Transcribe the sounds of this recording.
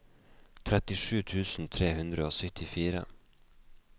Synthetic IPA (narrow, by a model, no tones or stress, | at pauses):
t̪ʰɾɛt̪ɪʂʉːt̪ʰʉːsn̩t̪ʰɾeːhʉnd̪ɾəoːsœt̪ɪfiːɾə̰